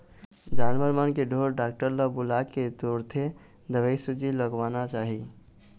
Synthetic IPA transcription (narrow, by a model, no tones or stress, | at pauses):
d͡ʒanməɾmənkeɖʱoɾɖak̚ʈəɾləbulakːet̪oɾt̪ʰe | d̪ʱəbəjsud͡ʒiləɡʋanat͡ʃaɦi